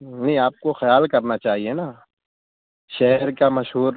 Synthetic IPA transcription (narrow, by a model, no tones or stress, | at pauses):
nɐɦĩaːp̚koxɐjaːlkɐɾnat͡ʃaːɦienaː | ʃɛɦɛɾkamɐʃɦuːɾ